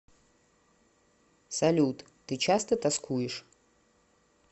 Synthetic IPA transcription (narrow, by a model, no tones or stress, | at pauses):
sɐlʲut̪ | t̪ɨt͡ɕast̪ɐt̪askʰujɪʂ